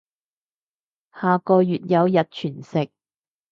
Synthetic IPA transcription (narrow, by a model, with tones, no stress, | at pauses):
haː˨˧kɔː˧jyː˨t̚jɐ˨˧wjɐ˨t̚t͡ʃʰyː˨˩nsɪ˨k̚